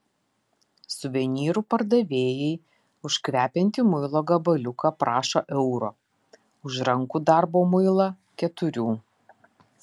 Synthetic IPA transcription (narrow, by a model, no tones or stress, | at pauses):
sʊʋʲɛnʲiːɾuːpɐɾd̪ɐʋʲeːjɛɪ | ʊʃkʋʲæːpʲɛnʲt̪ʲimʊɪlˠoːɡɐbɐlʲʊkʰɐpɾɑːʃoːʔɛʊɾoː | ʊʒɾɐŋkud̪ɑˑɾboːmʊɪlˠɐ | kʲɛt̪ʊɾʲuː